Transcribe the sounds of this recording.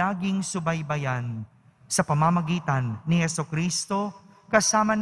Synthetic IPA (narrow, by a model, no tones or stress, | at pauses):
aːɡɪŋsʊbɐjbɐjan | sɐpɐmamɐɡiːt̪ɐnːɪhɛsokɾiːst̪o̞ | kɐsaːmɐn